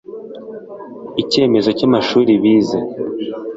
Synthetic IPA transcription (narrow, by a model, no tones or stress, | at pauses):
ice̞ːme̞zo̞camaʃuːɾiβiːza